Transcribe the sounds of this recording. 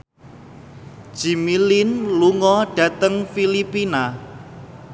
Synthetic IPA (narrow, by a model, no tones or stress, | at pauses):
ʒ̥imilinluŋɔɖ̥a̤t̪əŋfilipina